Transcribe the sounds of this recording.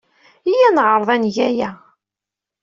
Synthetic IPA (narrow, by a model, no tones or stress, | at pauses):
ijænʁəɾˤðˤænʝæjæ